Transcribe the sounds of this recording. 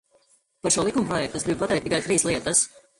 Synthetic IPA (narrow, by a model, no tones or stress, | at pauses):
paɾʃuɔlˠikumpɾɔjɛk̚t̪sɡɾib̚pat̪ɛjt̪ːikajt̪ɾiːslˠiɛt̪ɐs